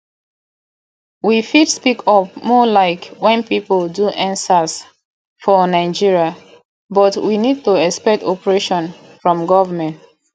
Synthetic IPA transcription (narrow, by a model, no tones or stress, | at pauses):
wifidspikʰɔpmɔlaɪkwɛ̃npipəlduʔãnsas | fɔnaɪd͡ʒiɹia | bɔtwinid̚tuɛkspɛk̚tɔpəɹeʃɔ̃n | fɹɔ̃mɡɔvəmɛ̃nt